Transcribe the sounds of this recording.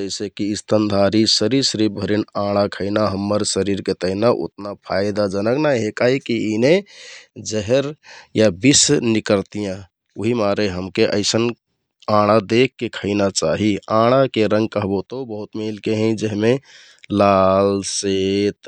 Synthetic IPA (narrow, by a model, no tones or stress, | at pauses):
d͡ʒəɪsekiːst̪ʰənd̪ʱaɾisəɾiɾsɾib̚bʱəɾinãɽ̃akʰəɪnaɦəmːəɾsəɾiɾket̪əɦinaʔo̰t̪napʰajd̪ad͡ʒənəknajɦekaɦikiine | d͡ʒəɦeɾjabisnikəɾt̪ijã | oɦimaɾeɦəmkeʔə̰ɪsən | ãɽ̃ad̪ekːekʰəɪnat͡ʃaɦiãɽ̃akeɾə̃ŋɡ̚kəɦbot̪obəɦut̪melkeɦɛ̃d͡ʒəɦme | lalset̪